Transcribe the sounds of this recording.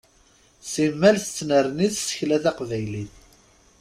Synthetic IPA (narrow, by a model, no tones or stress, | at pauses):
simːælθət͡sːnəɾniθsə̥çlæθæqvæjliθ